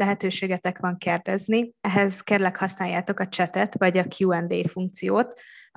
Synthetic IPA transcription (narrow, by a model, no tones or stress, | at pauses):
lɛɦɛt̪øːʃeːɡɛt̪ɛkʋɒŋkerd̪ɛzniɛɦɛzkeːrlɛkhɒsnaːjːaːt̪o̞kɒt͡ʃɛt̪ɛt̪ʋɒɟɒkʰjuːɛnd̪ḛːfuŋk̚t̪sijoːt̪